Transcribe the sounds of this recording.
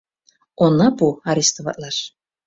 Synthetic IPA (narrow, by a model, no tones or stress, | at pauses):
onːɑbuaɾʲist̪ovɑ̰t̪lˠɑʃ